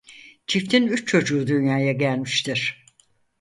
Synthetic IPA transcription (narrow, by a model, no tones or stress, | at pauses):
t͡ʃʰift̪ʰinyt͡ʃt͡ʃʰo̞d͡ʒuːd̪ynjaːjaɟælʲmiʃt̪ʰiɾ̥